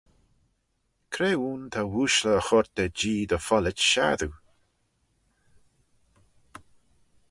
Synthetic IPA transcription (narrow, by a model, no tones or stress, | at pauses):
kʰɾeːuːnt̪ʰawuːʃləːxɔɹt̪əd͡ʒiːd̪əfɔlət͡ʃʃa̰ðu